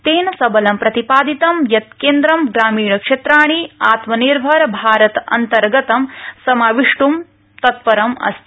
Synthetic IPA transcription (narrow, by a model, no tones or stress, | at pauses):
t̪eːnɐsɐbɐlɐmpɾɐt̪ipaːd̪it̪ɐmjɐt̪keːnd̪ɾɐmɡɾaːmiːɳɐkʂet̪ɾaːɳ̃iaːt̪mɐniɾbʱɐɾɐbʱaːɾɐt̪ɐ̰nt̪ɐɾɡɐt̪ɐmsɐmaːʋiʂʈum | t̪ɐt̪pɐɾɐmɐ̰st̪ʰ